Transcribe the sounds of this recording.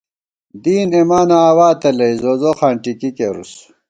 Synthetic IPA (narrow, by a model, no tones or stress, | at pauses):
d̪iːnemaːnaːwaːt̪elɐizozoxaːɳʈikikeɾṵs